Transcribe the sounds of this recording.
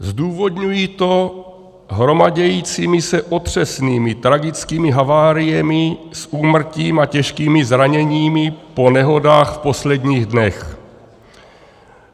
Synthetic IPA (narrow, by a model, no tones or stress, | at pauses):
zduːvo̞dɲujit̪o̞ | ɦɾo̞maɟɛjiːt͡siːmɪsɛʔo̞t̪r̝̥ɛsniːmɪt̪ɾaɡɪt͡skiːmɪɦavaːɾijɛmɪsʔuːmr̩ciːmacɛʃkiːmɪzɾaɲɛɲiːmɪpo̞nɛɦo̞daːxfpo̞slɛd̪ɲiːɣdnɛx